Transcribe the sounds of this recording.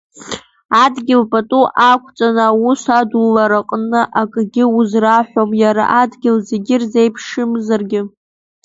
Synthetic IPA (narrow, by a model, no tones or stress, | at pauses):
adɡʲɪlpʼatʼuʔakʷʰt͡sʼanaːwusʷadulːaɾaqʼnɨʔakʼɡʲɪuzraħʷomjaɾa̰ʔadɡʲɪlzeɡʲɪrzejpʰʂɨmzarɡʲɪ